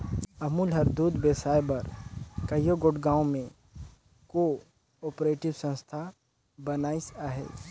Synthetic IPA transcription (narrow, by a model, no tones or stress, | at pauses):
ɐmuːlɦəɾd̪uːd̪beːsaːjbɐɾkəjoɡoʈɡãːõmẽ | ko | ɔːpɾeːʈɪwsə̃nst̪ʰa | bənaːisaɦḛː